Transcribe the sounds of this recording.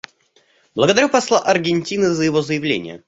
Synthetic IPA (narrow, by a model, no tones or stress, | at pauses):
b̥lˠəɡəd̪ɐɾʲupɐslˠaʔɐrɡʲɪnʲtʲinɨzəjɪvozəjɪvlʲḛnʲɪjə̰